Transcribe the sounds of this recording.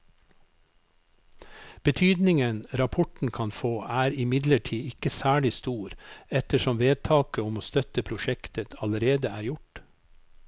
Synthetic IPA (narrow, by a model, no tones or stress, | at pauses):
b̥ət̪ʰyːd̪nɪŋənɾɑpʰɔʈɳ̩kʰɑnfoːʔæːɾɪmɪd̪ləʈʰiːɪkəsæːɭɪst̪uːɾɛt̪əʃɔmʋeːd̪̚t̪ʰɑːkəʊmoːst̪œt̪əpʰɾʊʃɛkt̪ət̪ʰɑləɾeːd̪əæːɾjʊʈ